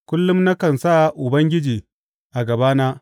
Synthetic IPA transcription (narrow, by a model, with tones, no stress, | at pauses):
kʷʊ˦lːʊ˦mna˦kɐ˨nsaː˦˨ʔʊ˨bɐ˦ŋɡʲɪ˦d͡ʒiː˨ | ʔa˨ɡɐ˨baː˦naː˦